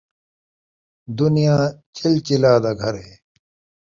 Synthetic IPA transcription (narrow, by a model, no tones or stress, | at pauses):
d̪unijãːt͡ɕʰɪlt͡ɕilaːd̪aɡʱɐɾɦeː